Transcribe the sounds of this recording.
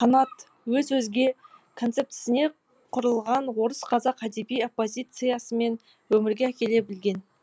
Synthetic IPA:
qɑnɑt̪ | wɵzwɵzɡʲe̞kʰo̞nt̪se̞pt̪sɪne̞ | qʰʊɾəlˠʁɑnwo̞ɾəsqʰɑzɑqæd̪e̞bijo̞pːo̞zʲijt̪sɨjasəme̞n | wɵmɪɾɡʲe̞ækʲe̞le̞bɪlɡʲe̞n

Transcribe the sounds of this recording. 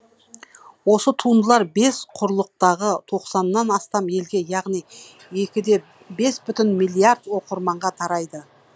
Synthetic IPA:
wo̞sət̪ʰund̪əlˠɑɾbe̞sqʰʊɾlˠəq̚t̪ɑʁət̪ʰo̞qsɑnːɑnɑst̪ɑme̞lɡʲe̞jɑʁnij | e̞kʲɪd̪e̞ | be̞sbʏt̪ɪnmilʲˠijaɾd̪wo̞qəɾmɑɴʁɑt̪ʰɑɾɑjd̪ə

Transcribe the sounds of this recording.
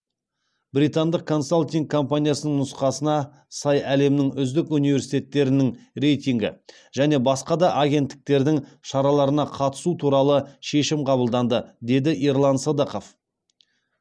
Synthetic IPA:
bɾijt̪and̪əq̚kʰːo̞nsolʲt̪ʲiŋkʰːo̞mpanʲijasənəɴnʊsqɑsənɑ | sɑjæle̞mɪnɪŋʏzd̪ɪkunijve̞ɾsijt̪e̞t̪ːe̞ɾɪnɪŋre̞jt̪ʲijŋɡʲɪ̰ | ʒ̥æne̞bɑsqɑd̪ɑʔaɡʲe̞nt̪ːɪ̥k̚t̪e̞ɾd̪ɪŋʃɑɾɑlˠɑɾənɑqʰɑt̪ə̥sut̪ʰuɾɑlˠəʃe̞ʃɪmqʰɑbəlˠd̪ɑnd̪əd̪e̞d̪ɪʔiɾlˠɑnsod̪ɑqo̞f

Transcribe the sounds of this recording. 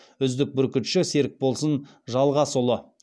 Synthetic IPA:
ʏzd̪ɪk̚bʏɾkʲɪt̪ʃɪse̞ɾɪk̚bo̞lˠsən | ʒɑlˠʁɑsʊlˠə

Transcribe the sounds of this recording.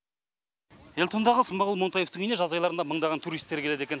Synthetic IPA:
e̞lʲt̪ʰo̞nd̪ɑʁəsəmbɑʁəlˠmo̞nt̪ɑje̞ft̪əŋineʒɑzɑjlˠɑɾənd̪ɑməɴd̪ɑʁɑnt̪ʰuɾijst̪ːekʲelee̞kʲe̞n

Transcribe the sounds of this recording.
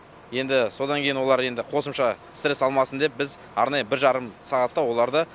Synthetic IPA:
je̞nd̪ɪso̞d̪ɑŋkʲejɪnwo̞lˠɑɾje̞nd̪ɪqʰo̞səmʃɑ | st̪ɾe̞sɑlˠmɑsənd̪e̞p̚bɪz | ɑ̰ɾnɑjəbɪɾʒɑɾəmsɑʁɑt̪ːɑwo̞lˠɑɾd̪ə

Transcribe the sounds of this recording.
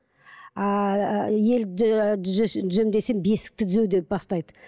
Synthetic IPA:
je̞lɪ | ʏzemd̪e̞se̞ŋbe̞sɪ̥k̚t̪ɪt̪ʰʏzewd̪e̞p̚bɑst̪ɑjd̪ə

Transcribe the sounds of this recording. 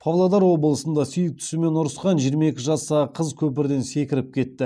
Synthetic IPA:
pʰɑvlˠod̪ɑɾwo̞bəlˠəsənd̪ɑsʏjɪk̚t̪ʰʏ̥sume̞nʊɾəsqɑnʒijəɾmɑe̞kʲɪʒɑsɑqʰəzkʲʰɵp̬ɪɾd̪e̞nse̞kʲɪɾɪp̚kʲʰe̞t̪ːɪ

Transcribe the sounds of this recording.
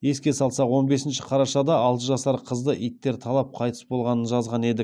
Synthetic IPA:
e̞skʲe̞sɑlˠsɑqwo̞nbe̞sɪnʃɪ̥qʰɑɾɑʃɑd̪ɑɑlˠt̪əʒɑsɑɾqʰəzd̪əʔijt̪ːe̞ɾt̪ʰɑlˠɑp̚qʰɑjt̪ə̥sbo̞lˠʁɑnənʒɑzʁɑne̞d̪ɪk

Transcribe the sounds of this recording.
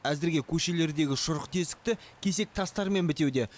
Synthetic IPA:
æzɪɾɡʲe̞kʲʰɵʃe̞le̞ɾd̪e̞ɡʲɪʃʊɾəqt̪ʰe̞st̪ɪ̥k̚t̪ɪkʲʰe̞se̞k̚t̪ʰɑst̪ɑɾme̞nbɪt̪e̞wd̪e̞

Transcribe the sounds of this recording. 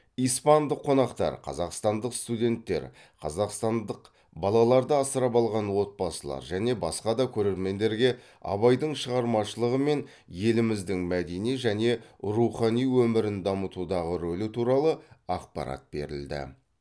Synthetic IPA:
ijspɑnd̪əqʰːo̞nɑqt̪ɑ̰ɾqʰɑ̰zɑqst̪ɑnd̪əqst̪ud̪ʲe̞nt̪ːe̞̰ɾ | qʰɑzɑqst̪ɑnd̪əq | bɑlˠɑlˠɑɾd̪əɑsəɾɑpɑlˠʁɑnwo̞t̪̚bɑsəlˠɑ̰ɾʒæne̞bɑsqɑd̪ɑkʲʰɵɾe̞ɾme̞nd̪e̞ɾɡʲe̞ | ɑ̰βɑjd̪əɴʃəʁɑɾmɑʃəlˠəʁəme̞n | je̞lɪmɪzd̪ɪŋmæd̪e̞nijʒæne̞ɾuχɑnijwɵmɪɾɪnd̪ɑmət̪ud̪ɑʁəɾolɪt̪ʰuɾɑlˠəɑq̚pɑ̰ɾɑ̰t̪̚b̥e̞̰ɾɪ̰ld̪ɪ̰

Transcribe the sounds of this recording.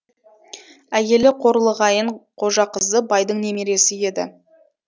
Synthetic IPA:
æje̞lɪqʰo̞ɾəlˠəʁɑjəɴqʰo̞ʒɑqəzd̪əbɑjd̪əɴne̞meɾe̞sɪje̞d̪ɪ̰

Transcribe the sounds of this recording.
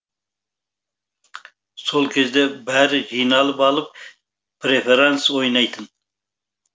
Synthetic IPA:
solˠkʲʰezd̪ebæɾɪʒijnɑlˠəpɑlˠəp̚ | pɾefeɾansojnɑjt̪ʰən

